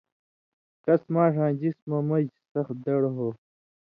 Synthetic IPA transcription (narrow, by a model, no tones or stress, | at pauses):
kɐsmaːʂãːd͡ʑismɐmɐd͡ʑsɐxd̪ɐɽɦoː